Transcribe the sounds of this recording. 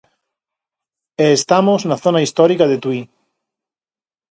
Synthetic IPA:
eːst̪amoznaθonaist̪ɔɾikaðet̪wi

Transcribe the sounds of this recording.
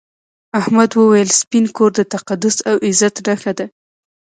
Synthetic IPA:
ahmad̪wəwajəlspinkoɾd̪ət̪aqad̪ʊsawʔɪzat̪ɖaxad̪a

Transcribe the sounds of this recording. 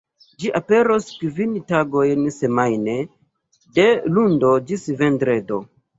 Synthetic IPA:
d͡ʒiʔape̞ɾoskvintaɡo̞jnse̞majne̞ | de̞lundo̞d͡ʒisve̞ndɾe̞do̞

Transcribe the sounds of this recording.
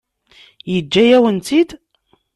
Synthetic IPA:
jəd͡ʒːæjæwənt̪id̪

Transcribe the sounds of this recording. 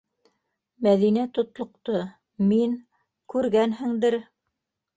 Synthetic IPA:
mæðinæt̪ŏt̪lˠŏqt̪ɤ | miŋ | kʉɾɡænɦɘ̆ŋd̪ɘɾ

